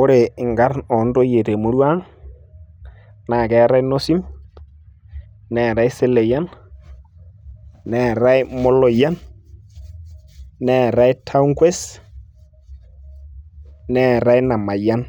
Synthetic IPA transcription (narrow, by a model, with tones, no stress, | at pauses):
o˦ɾe˨ŋɡa˦ɾɔ˨ndo˦je˨ɾe˨mo˦ɾwa˦ŋ | na˨kɛ˨ɾa˦e˦no˦si˦m | nɛ˨ɾa˦e˦se˦le˨ja˦n | nɛ˨ɾa˦e˦mo˦lo˨ja˦n | nɛ˨ɾa˦e˦tʰa˦u˦ŋkwe˦s | nɛ˦ɾa˦e˦na˨ma˨ja˦n